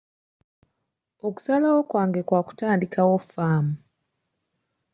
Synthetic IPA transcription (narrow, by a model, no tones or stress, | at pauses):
o̞ku̥salawo̞kwaːŋɡe̞kwaːku̥taːndikawofaːmu